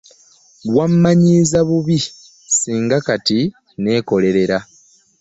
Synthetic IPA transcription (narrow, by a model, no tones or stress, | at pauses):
wamːaɲiːzaβuβi | siːŋɡakati | ne̞ːko̞le̞ɾe̞ɾa